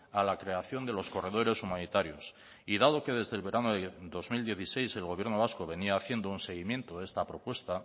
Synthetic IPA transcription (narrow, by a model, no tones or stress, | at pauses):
alakɾe̞aθjo̞nd̪e̞lo̞sko̞re̞ðo̞ɾe̞sumãnit̪aɾjo̞s | iðaðo̞ke̞ðe̞zðe̞lβe̞ɾanoðeðo̞zmild̪je̞θise̞jse̞lɣo̞β̞je̞ɾno̞β̞asko̞βe̞niaːθje̞nd̪ounse̞ɣ̞imje̞nt̪oðe̞st̪apɾo̞pwe̞st̪a